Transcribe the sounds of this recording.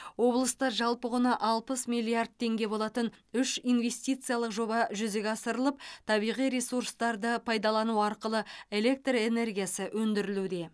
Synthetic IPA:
wo̞blˠəst̪ɑɾʒɑlˠpəʁʊnɑʔɑlˠpəsmijlʲˠiard̪̚t̪ʰːe̞ŋɡʲe̞bo̞lˠɑt̪ənʏʃijnve̞st̪ijt̪sɨjalˠəqʒo̞bɑʒʏzeɡʲɑsəɾəlˠəp̚t̪ʰɑbijʁijɾe̞suɾst̪ɑɾd̪əpʰɑjd̪ɑlˠɑnuɑɾqəlˠəe̞le̞k̚t̪re̞ne̞rɡʲijasəʔwɵnd̪ɪɾɪlud̪e̞

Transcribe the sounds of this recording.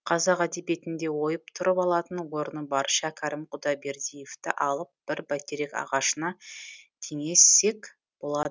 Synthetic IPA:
qʰɑzɑqæd̪e̞be̞t̪ɪnd̪e̞wo̞jəpt̪ʰʊɾəpɑlˠɑt̪ənwo̞ɾənəbɑɾʃɑkʲʰɑɾɪmqʰʊd̪ɑbe̞ɾd̪ijeft̪ɪ̰ʔɑlˠəp̚b̥ɪɾbækʲeɾe̞kɑ̰ʁɑʃənɑkʲʰe̞ŋe̞sːe̞k | b̥o̞lˠɑd̪ə

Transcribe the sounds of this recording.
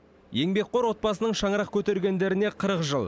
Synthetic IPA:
je̞ŋbe̞k̚qo̞ɾwo̞t̪̚bɑsənəɴʃɑɴəɾɑq̚kʲʰɵt̪eɾɡʲe̞nd̪e̞ɾɪne̞qʰəɾəqʒəlˠ

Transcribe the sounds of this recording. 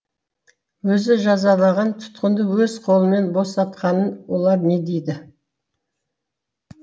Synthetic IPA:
wɵzɪʒɑzɑlˠɑʁɑnt̪ʰʊ̥t̪qənd̪əwɵz̥qʰo̞lˠəme̞nbo̞sɑt̪qɑnənwo̞lˠɑɾne̞d̪ejd̪ɪ

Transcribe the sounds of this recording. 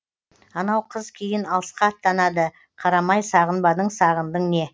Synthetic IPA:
ɑnɑwqʰəzkʲʰejɪnɑlˠəsqɑːt̪ːɑnɑd̪ə | qʰɑɾɑmɑjsɑʁənbɑd̪əɴsɑʁənd̪əɴne̞

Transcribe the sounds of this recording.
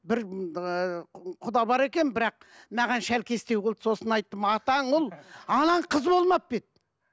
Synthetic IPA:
bɪɾ | qʰʊd̪ɑbɑɾe̞kʲe̞nbɪɾɑq̚ | mæʁɑnʃælkʲʰe̞st̪e̞wɡolˠd̪so̞sənɑjt̪ːəmɑt̪ɑɴwolˠɑnɑɴqʰəzbolˠmɑp̚pet̪̚

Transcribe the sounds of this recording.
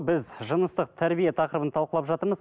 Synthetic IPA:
bɪzʒənəst̪əq̚t̪ʰæɾbijet̪ʰɑqəɾəbənt̪ʰɑlˠqəlˠɑpʒɑt̪əɾməz

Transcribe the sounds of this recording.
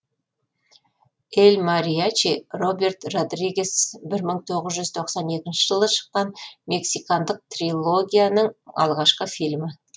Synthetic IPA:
elʲmɑɾijat͡ʃiro̞be̞rt̪ro̞d̪riɡʲe̞sbɪɾməɴt̪ʰo̞ʁəzʒʏz̥t̪ʰo̞qsɑne̞kʲɪnʃɪʒəlˠəʃə̥qːɑnme̞ksikɑnd̪əq̚t̪rilˠo̞ɡʲijanəɴɑ̰lˠʁɑʃqəfilʲmɪ

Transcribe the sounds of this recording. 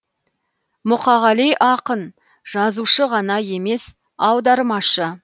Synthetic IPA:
mʊqɑʁɑlijʔɑqən | ʒ̥ɑzuʃəʁɑnɑje̞me̞s | ɑwd̪ɑɾmɑʃə

